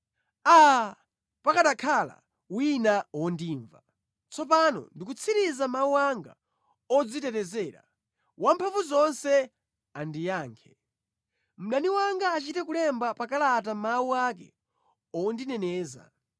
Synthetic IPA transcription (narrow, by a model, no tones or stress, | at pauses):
a | pakaɗakʰala̰ | winawɔndiːɱva | t͡sʰɔp̬anɔ̰ndikut͡sʰiɾizamauwaŋɡa̰ | ɔd͡zitɛtɛzɛːɾa̰ | wampʰaɱvuzɔnsɛ | andijaːŋkʰɛ | m̩ɗaniwaŋɡaːt͡ʃitɛkulɛmbapakalatamawuakɛ̰ | ɔndinɛnɛːza̰